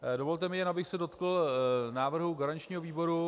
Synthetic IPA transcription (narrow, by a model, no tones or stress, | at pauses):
dovo̞lt̪ɛmɪjɛnabɪxsɛdo̞t̪kl̩naːvr̩ɦuɡaɾaɲt͡ʃɲiːɦoviːbo̞ɾu